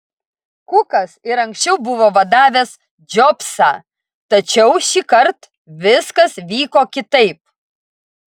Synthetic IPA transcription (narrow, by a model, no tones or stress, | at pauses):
kʊkɐsɪɾɐŋʲksʲt͡ʃʲɛʊbʊʋoːʋɐd̪ɑːʋʲɛs | d͡ʒʲɔpsɑː | t̪ɐt͡ʃʲɛʊʃʲiːkɐɾt̪ | ʋʲɪskɐsʋʲiːkoːkʲɪt̪ɐɪp̚